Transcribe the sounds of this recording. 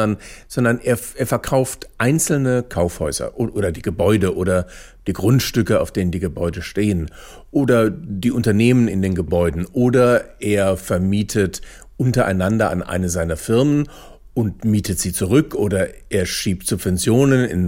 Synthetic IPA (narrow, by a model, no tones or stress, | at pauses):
ɐnz̥ɔndɐnʔeːɐeːɐfɛɐkʰaʊftʔaɪnt͡sl̩nəkʰaʊfhɔʏz̥ɐ̰ʔʔoːdɐdiːɡəbɔʏdəʔoːdɐ | d̥iːɡʁʊntʃtʏkəa̰ʊfd̥eːnəndiːɡəbɔʏdəʃteːən | ʔoːdɐdiːʔʊntɐneːmənɪndeːnɡəbɔʏdn̩ʔoːdɐʔeːɐfɛɐmiːtʰət | ʔʊntɐʔa̰ɪnandɐa̰nʔa̰ɪnəzaɪnɐfɪɐmən | ʔʊntmiːtətz̥iːt͡suʁʏkʔoːdɐʔeːɐʃiːp̚tz̥ʊpv̥ɛnt͡sjoːnənɪ̰n